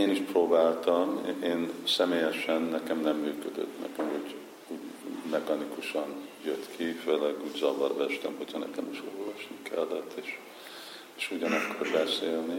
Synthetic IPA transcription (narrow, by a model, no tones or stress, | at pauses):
eːniʃproːbaːlt̪ɒmeːnsɛmeːjɛʃɛnːɛkɛmnɛmːyːkød̪ø̰t̪nɛ̰kɛmhoɟ | uːɟmɛkɒnikuʃɒnjøt̪kʰiføːlɛɡuːɟzɒvɒrʋɛʃt̪ɛmhocʰhɒnɛ̰kɛmiʃorvɒʃnikʰɛlːɛt̪ʰːeːʃ | eːʃuɟɒnɒkːo̞rbɛseːlni